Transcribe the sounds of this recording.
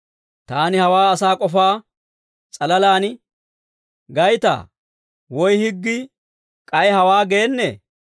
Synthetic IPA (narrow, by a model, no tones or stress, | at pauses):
t̪aːnɪhɐwaːɐsaːkʼɔfaː | t͡sʼɐlɐlaːnɪ | ɡɐjt̪a̰ː | wɔjhɪɡːɪ | kʼɐjhɐwaːɡe̞ːnːḛː